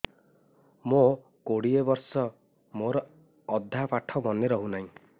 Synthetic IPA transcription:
mõ | koɽiebɔɾsɔ | moɾɔː | d̪ʱːapaʈʰɔmɔneɾɔɦunaɦĩ

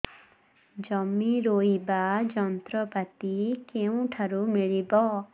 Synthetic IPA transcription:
d͡ʒɔmːiɾoibad͡ʒɔnt̪ɾɔbat̪ikeũʈʰaɾumiɭibɔ

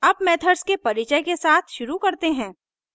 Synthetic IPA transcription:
ɐbmɛːt̪ʰəɾskepɐɾɪt͡ʃəjkesaːt̪ʰʃʊɾukɐɾt̪eɦɛ̃ː

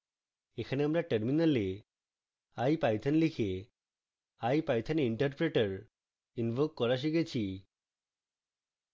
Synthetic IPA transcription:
ekʰaneamɾaʈeɾminale | ajpajt̪ʰanlikʰe | ajpajt̪ʰaniɳʈəɾpɾeʈaɾ | inbʱokːɔɾaʃ̬iɡet͡ɕʰi

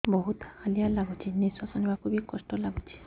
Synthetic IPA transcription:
bɔɦut̪halijalaɡut͡ʃʰinisɔsɔnibakʰubikɔsʈɔlaɡut͡ʃʰi̥

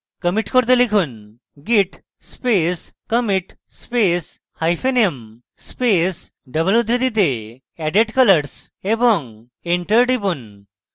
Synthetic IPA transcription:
kəmiʈkoɾt̪̬elikʰuːn | ɡiʈ | speskəmiʈ | spes | hajfʰeniem | spes | ɖəbəljud̪ʱɾed̪it̪̬e | ɛɖeʈkələɾs | ebɔŋ | eɳʈəɾɖibun

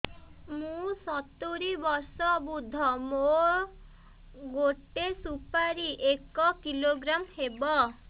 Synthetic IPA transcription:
mũsɔt̪uɾibɔɾsɔbud̪ʱːɔmo | ɡoʈesupaɾiʔekɔkiloɡɾamhebɔ

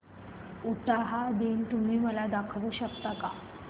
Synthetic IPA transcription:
uʈaɦad̪ent̪um̤iːməlad̪akʰʋuːɕəkt̪aka

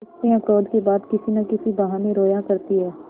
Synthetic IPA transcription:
ɪsnẽɐpɾoːd̪kebaːd̪kɪsinɐkɪsibɐɦaːneɾoːjakɐɾt̪iɦɛː

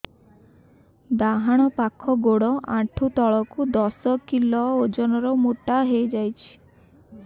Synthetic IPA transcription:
d̪aɦaɽ̃ɔpakʰɔɡoɽɔʔãʈʰut̪ɔɭɔkud̪ɔsɔkilɔod͡ʒɔnɔɾɔmoʈaɦejd͡ʒajt͡ʃʰi̥

